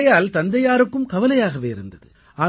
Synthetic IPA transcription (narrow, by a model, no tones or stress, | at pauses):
jaːlt̪ɐnd̪ɐjaːɾɯkːɯmkɐʋɐlɐjaːɣɐʋeːɪɾɯ̰nd̪ɐðɯ̰ | aː